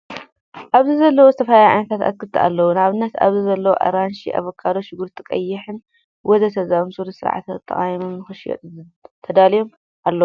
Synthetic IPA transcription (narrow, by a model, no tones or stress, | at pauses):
ʔaβzɨzɐlːɐwozɨt̪ʰɐfɐlajʕa̰jnɐt̪ʰat̪a̰kːɨt̪ʰːɨʔa̰lːɐwunaβɨnːɐt̪a̰βzizɐlːɐwoʔa̰ɾanʃḭʔa̰βɐkʰːaloʃɪɡuɾt̪ʰʼɨkʼɐjːɪħɨn | wɔzɐsʰɐzamsuɾisɨɾ̰ʕa̰t̪ɐt̪ʼːɐ̰χʼajmumːɨxɨʃjo̰t̪ | t̪ʰɐd̪alijom | ʔalːɐw